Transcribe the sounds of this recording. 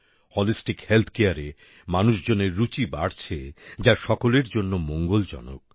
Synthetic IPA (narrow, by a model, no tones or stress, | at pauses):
hɔlisʈikhelt̪ʰkeaɾe | manuʃd͡ʑoneɾːut͡ɕiba̰ɽt͡ɕʰed͡ʑaʃɔkoleɾd͡ʑonːomoŋɡold͡ʑɔ̰no̰k̚